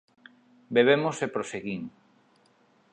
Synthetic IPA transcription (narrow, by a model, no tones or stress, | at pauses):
beβ̞emosepɾoseɣiŋ